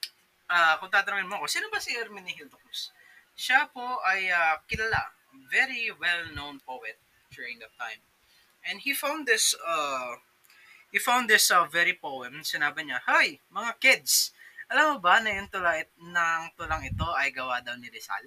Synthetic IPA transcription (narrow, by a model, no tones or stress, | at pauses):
ʔakʊŋt̪aːt̪ɐɾŋɪnmoɐkosiːnobɐsiɛɾmɪnɪhɪlt̪okʊs | ʃapo̞ʔɐjɐkɪlɐla̰ | vɛɹiwɛlnõwnpowɛt̪̚ | d͡ʒ̪̥juɹɪŋd̪ɐt̪ːã̰jm | ʔɛ̃nd̪hifawnd̪ɪsɐ | hifãw̃nd̪ɪsɐvɛɾipowɛmsɪnaːbɪɲahajmɐŋakɪd̪sʔɐlamobɐnɐjʊŋt̪ʊlanɐŋt̪ʊlɐŋɪt̪o̞ʔɐjɡɐwad̪ɐwnɪɾɪsa̰ːl